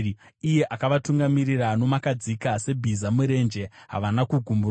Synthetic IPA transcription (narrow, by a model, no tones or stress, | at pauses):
ije̞ʔakaʋatuŋɡamirirano̞makad͡zikase̞bʱizamuɾe̞nd͡ʒe̞ɦa̰ʋanakuɡʱumbur